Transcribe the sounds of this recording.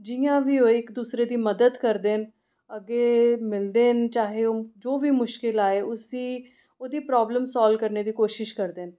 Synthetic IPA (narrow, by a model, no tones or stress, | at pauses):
d͡ʒɪjãːʋiːoːɪkd̪uːsɾeːd̪iːməd̪əd̪kəɾd̪eːn | əɡeːmɪld̪eːnt͡ʃaːɦeːoːd͡ʒoːʋiːmʊʃkɪlaːeːʊsiː | oːd̪iːpɾɔːbləmsaːlkəɾneːd̪iːkoːʃɪʃkəɾd̪eːn